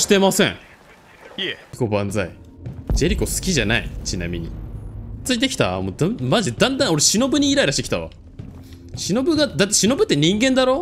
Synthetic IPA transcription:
ɕi̥t̪e̞masẽ̞̰ɴ | ko̞bãnd͡za̰id͡ʑe̞ɾʲiko̞sɨ̥kʲiʑana̰ḭt͡ɕina̰mʲḭɲ̟ḭ | t͡sɨit̪̬e̞kʲi̥t̪a̰mod̪amaʑid̪ãnd̪ão̞ɾeɕino̞bɯ̟ɲ̟iːɾaiɾaɕit̪eki̥t̪a̰βa̰ | ɕino̞bɯ̟ɡad̪at̪ːeɕino̞bɯ̟t̪ːeɲ̟ĩŋɡẽ̞nd̪aɾo̞ː

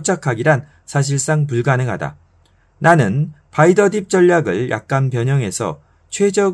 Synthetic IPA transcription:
t͡ɕ͈ʰakʰaɡiɾan | sʰaɕ̬ʰiɭs͈aŋp̬uɭɡanɯŋɦada̰ | nanɯnpaidʌdip̚t͡ɕ͈ʌʎːaɡɯɭjʔa̰k̚k͈anpjʌɲʌŋɦe̞sʰʌ̰ | t͡ɕʰwe̞d͡ʑʌɡ

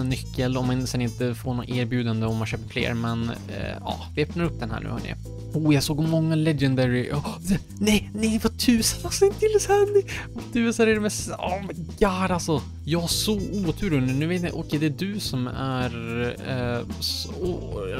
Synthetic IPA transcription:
nːʏkːəlɔmːansɛnɪnt̪əfoːɳɔnʔeːɾbjʉːd̪and̪əɔmːanɕøːpəɾflḛːɾmɛn̰ | ɑ̰ːvɪɛpnaɾɵp̚ːd̪ɛnhæ̰ːɳʉ̟ːhœ̰nɪ̰ | uːjɑsoːɡɔmɔŋːalɛd͡ʒɛnd̪ɛɾɪʔɑ | nɛjnɛjvat̪ʰʉ̟ːsad̪asɪnt̪ɪlːɛsæɾnɛvat̪ʰʉ̟ːsaɾɛɾɛmɛsɑ̰ːmɛɡaːɾalsɔ | jɑːɡhasɔuːt̪ʰʉːɾɵnːʉnʉ̟ːveːt̪nɪ̰ʔɔkʰɛjd̪ɛːɖ̪ɵsɔmæɾ | s | ɔ

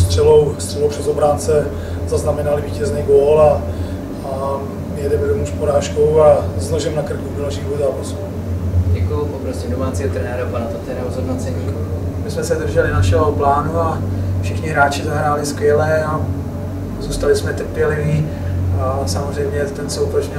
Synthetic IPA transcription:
st̪r̥ɛlowst̪r̥ɛlowprɛzobɾaːnt͡sɛ | zaznamɛnalɪviːcɛznɛːɡoːla | a | mɪjɛdɛmɛdomuʃpoɾaːʃkowaznoʒɛmnakr̩kudonaʃɪɣozaːpasu | ɟɛkujupopɾosimdomaːt͡siːɦot̪ɾɛnɛːɾapanat̪at̪ɛɾaɾozɦodnat͡sɛɛju | mɪsmɛsɛd̪r̩ʒɛlɪnaʃɛɦoplaːnua | fʃɪxɲɪɦɾaːt͡ʃɪzaɦɾaːlɪskʋjɛlɛa | zuːst̪alɪsmɛt̪r̩pjɛlɪviː | samozr̝ɛjmɲɛt̪ɛnsɛuplɛʃɲɪ

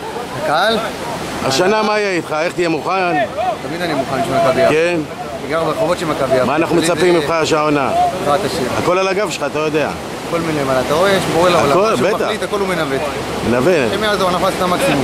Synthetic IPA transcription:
hakaal | a̰ʃanamaijeit̪χae̞χt̪ijemuχant̪amid̪animuχanʃemakabiaken | iɡaʁbeχovotʃemakabiamaːnaχnumet͡sapimimχaaʃaonatʁat̪aʃiʁa̰ko̞lalaɡavʃelχaːt̪alojod̪e̞a̰ | kolmilemalat̪aʁoeʃboelaaolakobet̪ait̪ako̞lumenavet̪ | menaveemiazoanafast̪amaksim

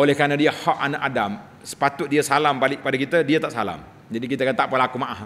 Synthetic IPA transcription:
olɛhkanədiəhɔʔanaʔadam | sə̥pat̪ʊt̪̚diəsalampalɪʔ̚padakit̪ədiat̪aʔsala̰m | d͡ʒadikit̪akant̪aʔpəlakumaʔah

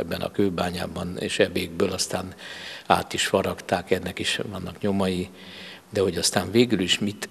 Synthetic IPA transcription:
ɛbːɛnɒ̰køːbaːɲa̰ːbɒnḛːʃɛbeːɡ̚bøːlɒst̪aːna̰ːt̪iʃfɒɾɒkt̪aːkɛnːɛkiʃvɒnːɒkɲo̞mɒji | d̪ɛho̞ɟɒst̪aːɱveːɡyliʃmit̪

